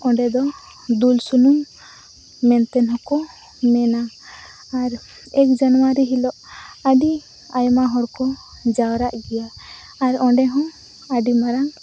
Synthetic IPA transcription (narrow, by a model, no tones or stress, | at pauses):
ɔ̃ɳɖɛd̪ɔ | d̪ulsunumː | ɛnt̪ɛnɦɔ̃kɔ | mɛnaː | ɾ | ɛk̚d͡ʒanɔwaɾiɦilɔʔaɖi | ajmaɦɔɾkɔ | d͡ʒawɾaʔɡɛjaː | ɾɔɳɖɛɦɔ̃ | aɖimaɾaŋ